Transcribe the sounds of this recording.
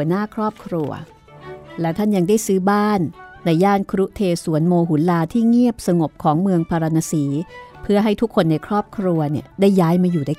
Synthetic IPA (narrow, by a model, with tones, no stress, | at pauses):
hu˩˦ənaː˥˩kʰɾɔː˥˩p̚kʰɾu˧ɐ | lɛː˦˥wt̪ʰa˥˩nja˧ŋdaː˥˩jsɯː˦˥baː˥˩nːa˧jːaː˥˩nkʰɾu˦˥t̪ʰeː˧su˨˩˦ənmoː˧ɦu˩˦nlaː˧t̪ʰiː˥˩ŋi˥˩əp̚sa˧ŋo˨˩p̚kʰɔː˩˦ŋmɯ˧əŋpʰaː˧ɾa˧naː˧siː˩˦pʰɯ˥˩ɐɦa˥˩jt̪ʰu˦˥kʰːo˧nːa˧jkʰɾɔː˥˩p̚kʰɾu˧ɐni˥˩ɐdaː˥˩jːaː˦˥jmaː˧juː˨˩daː˥˩